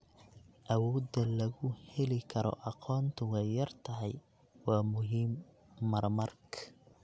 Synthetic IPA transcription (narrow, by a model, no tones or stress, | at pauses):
ʔɐwɔːdɐlɐɣʊhɛlɪkʰɐɾɔ̰ʔɑqʰɔːnt̪ʰʊɛjːɐrt̪ʰɐɦɛj | wɑːmʊɦiːmː | ɐrmɐrk